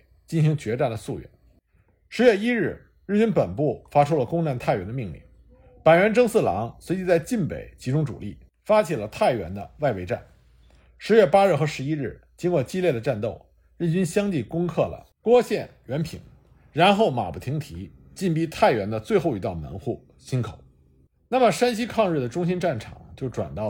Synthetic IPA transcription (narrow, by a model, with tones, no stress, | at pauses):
t͡ɕi˥˩nɕi˧˥ŋt͡ɕɥɛ˧˥ʈ͡ʂa˥˩nd̪ə˩su˥˧ɥɛ̰˥˩˦n | ʂɻ̩˧˥ɥɛ˥˧i˥ɻɻ̩˥˩ | ɻ̩˥˩nt͡ɕy˥npə˨˩npu˥˩fa˥ʈ͡ʂʰu˥lə˨kʊ˥ŋna˥˧˥nt̪ʰa˥˩ɥɛ˧˥nd̪ə˧mi˥˧ŋlḭ˥˩ŋ | pa˨˩nɥɛ˧˥nʈ͡ʂɤ˥ŋsɹ̩˥˩lɑ̰˧˥ŋswe˧˥ɪt͡ɕi˧˥t͡sa˥˧ɪt͡ɕi˥˩npḛ˨˩ɪt͡ɕi˧˥ʈ͡ʂʊ˥ŋʈ͡ʂṵ˨˩li˥˩ | fa˥t͡ɕʰi˨˩lə˦t̪ʰa˥˩ɪɥɛ̰˧˥nd̪ə˧wa˥˧ɪwe˧˥ɪʈ͡ʂa̰˥˩n | ʂɻ̩˧˥ɥɛ˥˩pa˥ɻ̩˥˩xɤ˧˥ʂɻ̩˧˥i˥ɻɻ̩˥˩t͡ɕi˥nkwɔ˥˧t͡ɕi˥ljɛ˥˩d̪ə˩ʈ͡ʂa˥˧nt̪o˥˩ʊ | ɻ̩˥˩t͡ɕy˥nɕjɑ˥ŋt͡ɕi˥˩kʊ˥ŋkʰɤ˥˩lə̰˩ | kwɔ˥ɕjɛ˥˩nɥɛ˧˥npʰḭ˨˩˦ŋ | ɻa˧˥nxo˥˩ʊma̰˨˩pu˨˩i˧˥ŋt̪ʰi˧˥ | t͡ɕi˥˧npi˥t̪ʰa˥˩ɪɥɛ˧˥nd̪ə˧t͡swe˥˧ɪxo˥˩ʊy˧˥t̪ɑ˥˩ʊmə̰˧˥nxu˥˩ | ɕi˥nkʰo˨˩˦ | na˥˩mə˩ʂa˥nɕi˥kʰɑ˥˧ŋɻ̩˥˩d̪ə˩ʈ͡ʂʊ˥ŋɕi˥nʈ͡ʂa˥˩nʈ͡ʂʰɑ̰˨˩˦ŋt͡ɕjo˥˩ʊʈ͡ʂwa̰˨˩nt̪ɑ˥˩